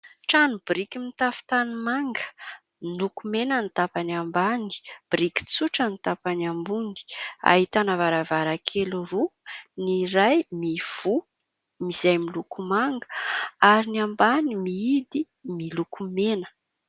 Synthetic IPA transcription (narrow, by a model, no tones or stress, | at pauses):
ʈ͡ʂanub̥iɾikimit̪afi̥t̪animaŋɡə̥ | milukumenanit̪apaniambani̥b̥ɾiki̥t͡suʈ͡ʂənit̪apanambund̪i̥a̰ɦit̪anavaɾavaɾakʰeluruniɾajmiv̥u | mizajmilukumaŋɡə̥aɾiniambanimiid̪i | milukʰumenə̥